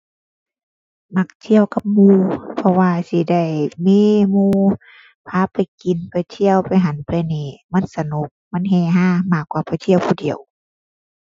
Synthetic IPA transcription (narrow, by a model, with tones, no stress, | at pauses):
ma˧˩k̚t̪ʰi˧˨əwka˧˦p̚muː˧˩pʰɔ˧waː˧si˧˦da˧˩˨jmiː˧˥˨muː˧ | pʰaː˧˥˨pa˨jki˨npa˨˩jt̪ʰi˧˥˨əwpa˨jɦa˨˦npʰlɛː˧˨nɛː˧˩ma˧˥˨nsa˧no˧˦k̚ma˧˥˨nɦɛː˧˩ɦaː˧˥˨maː˧˩kwaː˧˩pa˨jt̪ʰi˧˨ə˨wpʰuː˧˩di˨əw